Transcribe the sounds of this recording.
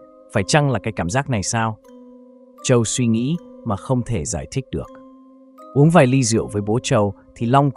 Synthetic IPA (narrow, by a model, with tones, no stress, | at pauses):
faː˧˩jt͡ɕa˧ŋlaː˨˩kaː˨˦jkaː˧˩mzaː˦˥k̚na˨˩jsaː˧w | t͡ɕə˨˩wswi˧ŋḭ˧˥maː˨˩xə˧wŋ͡mt̪ʰe˧˩zaː˧˩jt̪ʰi˦˥k̟̚ɗɨ˨˩ək̚ | ʔu˨˦əŋvaː˨˩jli˧zḭ˧˨əwvəː˨˦jɓo˨˦t͡ɕə˨˩wt̪ʰi˨˩lɔ˧wŋ͡m